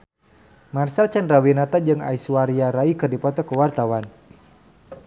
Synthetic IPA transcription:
marsalt͡ʃandrawinat̪ad͡ʒɨŋa̰isuwaɾiaɾaikɨrdipɔt̪ɔkəwart̪awan

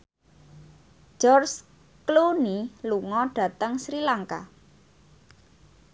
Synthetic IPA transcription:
d͡ʒ̥ɔrs | kluniluŋɔɖ̥ä̤t̪əŋsɾilaŋka̰

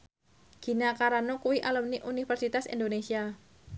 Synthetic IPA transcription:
ɡ̥i̤nakaɾanokuwiʔalumniʔunifɛrsit̪asḭndonesia

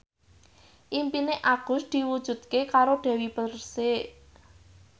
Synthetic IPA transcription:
ʔimpineʔaɡ̥ʊ̤sd̪̥i̤wud̥ʒ̥ṳd̪̥̚kekaɾoɖ̪̥ɛ̤wipərseʔ

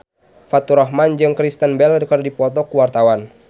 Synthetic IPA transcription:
fat̪uɾɔɦmand͡ʒɨŋkɾist̪ənbɛlrkərdipɔt̪̬ɔkuwart̪awan

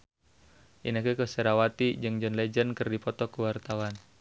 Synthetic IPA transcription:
ʔḭnakəkəsɛɾawat̪id͡ʒɨŋd͡ʒɔnlɛd͡ʒənkɨrdipɔt̪ɔkəwart̪awan

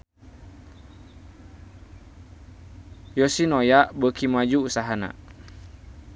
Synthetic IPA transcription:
josinojaʔbəkimad͡ʒuusaɦana̰

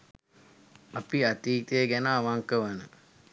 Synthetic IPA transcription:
apiat̪iːt̪əjeɡænəaʋaŋkəʋanə

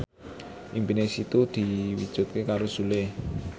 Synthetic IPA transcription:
ʔimpinesit̪ud̪̥i̤wḭd̥ʒ̥ʊ̤t̪̚kekaɾosule

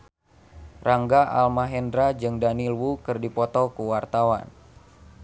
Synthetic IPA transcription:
rʔaŋɡaʔalmaɦɛndɾad͡ʒɨŋdanilwukɨrdipɔt̪ɔkuwart̪awa̰n

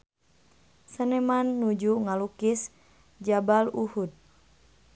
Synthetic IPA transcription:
sənemanːud͡ʒuŋalukis | d͡ʒabaluhut̪̚

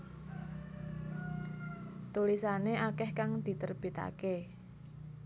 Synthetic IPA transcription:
t̪ulisaneʔakɛhkaŋd̪̥i̤t̪ərb̥it̪a̰ke

